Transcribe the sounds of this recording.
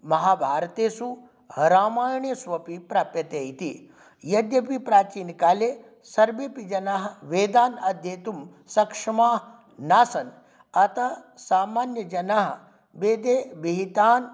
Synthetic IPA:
mɐɦaːbʱaːɾt̪eːsu | hɐɾaːmaːɾɳjesʋɐpipɾaːpjɐt̪eːjt̪i | jɐd̪jɐpipɾaːt͡ʃiːnikaːleː | sɐɾbeːpid͡ʒɐnaːɦʋeːd̪aːnɐd̪ʱjeːt̪um | sɐkʂɐmaːɦ | naːsɐn | ɐt̪ɐsaːmaːnjɐd͡ʒɐnaɦɐ | ʋeːd̪eːbiɦit̪aːn

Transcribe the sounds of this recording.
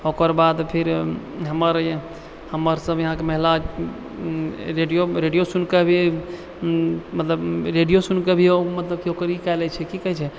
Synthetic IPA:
okəɾbad̪pʰiɾ | ɦəməɾ | həmːəɾsəbjəɦãkeməɦlad͡ʒ | ɾeɖijoɾeɖijosunkebʱi | mət̪ləbɾeɖijosunkebʱiomət̪ləb̚kiokəɾikajlɛt͡ʃʰɛkikət͡ʃʰɛ

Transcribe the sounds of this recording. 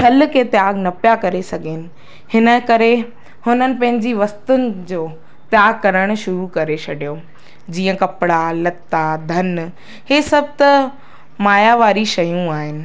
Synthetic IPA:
tʰɐl̆kʰet̪jaːɡnɐpjakɐɾesɐɡʱenɪ̆ | hɪnə̆kɐɾe | hʊnənɪ̆pɐ̃ɦɪ̃ɲd͡ʑiʋɐst̪ʊnɪ̆d͡ʑoː | t̪jaːɡ̚kɐɾəɽ̃̆ʃʊɾukɐɾet͡ɕʰɐɖʱijoː | d͡ʑiːə̃kɐpɪɽalɐt̪ːad̪ʱɐn | heːsɐb̚ʱt̪ɐ | maːjaʋaːɾiʃɐjũaːɦɪnɪ̆

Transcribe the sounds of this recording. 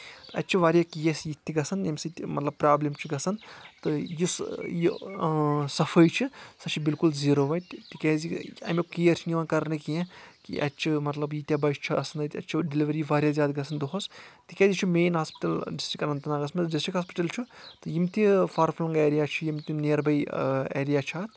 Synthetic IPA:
t̪ɨɐtːt͡ʃʰiʋaːɾʲjaːkijɐsjit̪ʰʲːiɡɐsɐnjɐmʲsɨt̪mɐt̪lɐb̚pɾaːblimt͡ʃʰuɡɐsɐnt̪ɨjisji | sɐfʰəjt͡ʃʰisɐt͡ʃʰibilkulziːɾoːʋɐtt̪ikɛːziɐ̰mʲikijɐɾt͡ʃʰiniʋɐːnkɐɾnekijẽkḭʔɐtːt͡ʃʰimɐt̪lɐbjit̪ʲjabɐjʃt͡ʃʰɐɐsɐnɐt̪ʲɐt͡ʃʰiɖiliʋɐɾiʋaːɾʲjazʲjaːd̪ɡɐsʰɐnd̪oɦost̪ikɛːzit͡ʃʰumeːnɦaːspi̥ʈɐlɖisʈɾikɐnɐnt̪ɐnaːɡɐsmɐɖisʈɾikɦaːspi̥ʈɐlt͡ʃʰut̪ɨjimt̪ifʰaːɾfʰlɐŋɡeːɾijat͡ʃʰujimt̪ineːɾbɐjḛːɾijaːt͡ʃʰaːt̪

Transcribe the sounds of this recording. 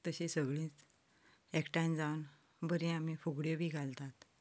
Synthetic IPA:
t̪əɕĩsəɡɭĩːt͡s | ɛkʈajnd͡zawn | bəɾĩamifuɡɽjebʱiːɡʱalt̪at̪

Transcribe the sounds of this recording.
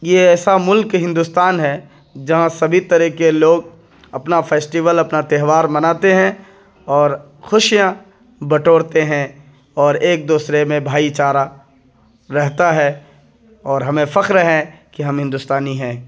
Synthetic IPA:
jeɛːsamʊlkɦɪ̃nd̪ʊst̪aːnɦɛ | d͡ʒɐɦãsɐbʱit̪ɐɾɛkeloːɡ̚ | ɐpnafʰɛːsʈiʋəlɐpnat̪ɛɦʋaːɾmɐnaːt̪eɦɛ̃ | ɔːɾ | xʊʃijã | bɐʈoːɽt̪eɦɛ̃ | ɔːɾeːk̚d̪uːsɾemẽbʱaːit͡ʃaːɾa | ɾɛɦt̪aɦɛ | ɔːɾɦɐmẽfɐkɾɦɛ̃kiɦɐ̃mɦɪ̃nd̪ʊst̪aːniɦɛ̃ː

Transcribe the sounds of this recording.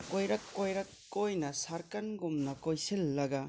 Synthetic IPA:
kojɾɐkːojɾɐkːojnɐsaɾkɐnɡumnɐkojsilːɐɡɐ

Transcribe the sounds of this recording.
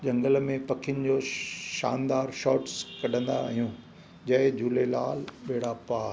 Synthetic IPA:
d͡ʑɐ̃ŋɡəlmẽpɐkʰɪjʊnɪ̆d͡ʑoːʃa̰ːnd̪aːɾʃɔːʈskɐɗʱə̃nd̪a̰ːɦijũː | d͡ʑɐɦɪd͡ʑʱuːlela̰ːlɓeːɽapaː

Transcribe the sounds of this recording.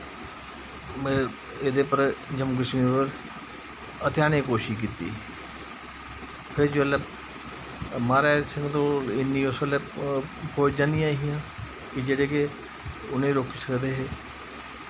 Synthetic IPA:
mː | ed̪eːpəɾd͡ʒəmkɪʃmiːpəɾ | ət̪ɪjaːnẽːkoːʃiːk̬iːt̪ḭː | pʰɪɾd͡ʒəle | maːɾaːsɪ̃ŋɡt̪õːɪnːĩːʊsəleːpʰoːt͡ʃd͡ʒaːnɪjãːɦijãː | kɪd͡ʒeːɽeːke | ʊnẽːɾoːkiːsəkd̪eːɦeː

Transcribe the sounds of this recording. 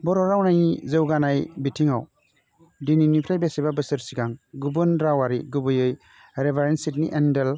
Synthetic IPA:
bɔɾɔɾawnajizɯwɡanajbitʰiŋa̰w | dininipʰɾajbesibabɯsɯɾsiɡaŋɡubɯnɾawaɾiɡubɯjɯj | ɾebʱaɾensitnḭʔendel

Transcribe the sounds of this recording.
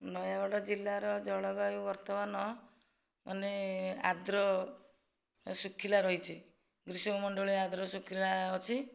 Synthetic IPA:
nɔjabɔɽɔd͡ʒilːaɾɔd͡ʒɔɭɔbaubɔɾt̪ɔmanɔ | mʔanea̰d̪ɾɔ | sukʰːilaɾɔɦit͡ʃʰi | ɡɾisɔɔmɔɳɖɔɭead̪ɾɔsukʰilaɔt͡ʃʰi

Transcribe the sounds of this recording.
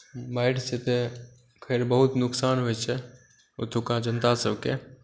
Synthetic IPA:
baːɪʈset̪e | kʰeːɾbəɦʊt̪nʊksaːnɦoɛt͡ʃʰɛ | ʊt̪ʰukãd͡ʒənt̪asəbke

